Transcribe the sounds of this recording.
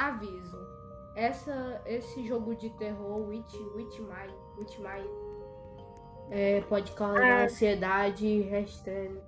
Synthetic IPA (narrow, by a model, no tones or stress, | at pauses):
avizʊ | ɛsɐesɪʒoɡʊd͡ʒɪt̪eɦoɾwit͡ʃiwit͡ʃimaj | wit͡ʃimaj | ɛpɔd͡ʒɪkaɐ̃sied̪ad͡ʒɪɦeʃt̪ɾẽɲu